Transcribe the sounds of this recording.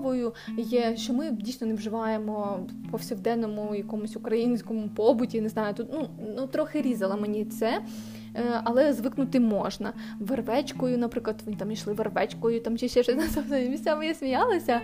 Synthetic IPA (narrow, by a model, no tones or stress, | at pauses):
ʋɔjʊjɛʃt͡ʃɔmɪdʲijsʲnɔneʋʒɪʋɑjemɔpɔwsʲiwd̪ɛnːɔmʊjɐkɔmʊsʲʊkɾɐjinʲsʲkɔmʊpɔbʊtʲinɪznɑjʊt̪ut̪nunut̪ɾɔxɪɾʲizɐlˠɐmenʲit̪sɛ | ɐlˠɛzʋɪknʊt̪ɪmɔʒnɐ | ʋerʋɛt͡ʃkɔjʊnɐpɾɪklˠɐt̪ʋnt̪ɑmiʃlˠɪʋerʋɛt͡ʃkɔjʊt̪ɑmt͡ʃʲɛʃt͡ʃɛʃɔsʲnɐsɐmʲisʲt͡sʲamejɛsʲmʲijɑlˠɪsʲɐ